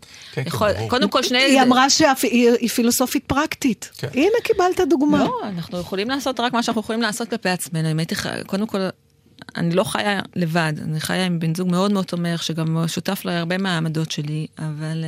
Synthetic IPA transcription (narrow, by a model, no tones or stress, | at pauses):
jeχolkold̪emko̞lʃnejiamʁaʃeaiifilo̞so̞fit̚pʁaktitinekibalt̪aduɡmaoanaχnujeχolimlaːso̞tʁakmaʃanaχnujeolimlaːso̞t̚klapeat͡sme̞nuimajitiχa̰kod̪e̞mko̞l | a̰nilo̞χa̰jale̞vada̰niχa̰jaimbinzuɡme̞o̞dmeot͡someχʃeɡamʃutaflajaʁbe̞meamado̞tʃe̞liaval